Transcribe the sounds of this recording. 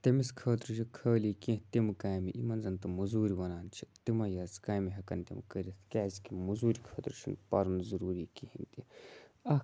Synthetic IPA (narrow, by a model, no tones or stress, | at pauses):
t̪ɐmiskʰəːt̪ɾut͡ʃʰikʰəːlikĩɦt̪imkaːjmiʔimɐnzɐnt̪ɨmuzuːɾiʋɐnaːnt͡ʃʰit̪imɐjɐzkaːjmiɦɐkɐnt̪ʲḛmkəɾit̪ʰkʲaːzikimuzuːɾikʰɐːt̪ɾt͡ʃʰḭnpɐ̰ɾunzɐɾuːɾikiɦint̪iɐ